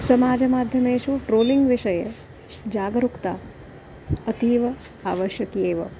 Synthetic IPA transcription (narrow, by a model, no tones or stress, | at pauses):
sɐmaːd͡ʒɐmaːd̪ʱjɐmeːʃuʈɾoːliŋɡʋiʃɐjɐ | d͡ʒaːɡɾukt̪a̰ː | ɐt̪iːʋɐ | aːʋɐʃjɐkjeːʋɐ̰